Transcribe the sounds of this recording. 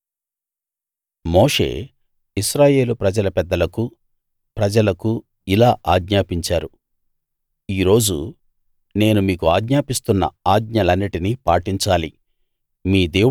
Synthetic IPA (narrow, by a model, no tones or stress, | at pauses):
mo̞ːʂe̞̰ː | iʃɾaːje̞ːlupɾɐd͡ʒɐlɐpɛd̪ːɐlɐku | pɾɐd͡ʒɐlɐku | ilaːʔaːɡɲaːpiɲt͡ʃaːɾu | iːɾo̞ːd͡ʒṵ | ne̞ːnumiːkuaːɡɲaːpist̪unːɐ̰aːɡɲɐlɐnːiʈinipaːʈiɲt͡ʃaːli | miːd̪eː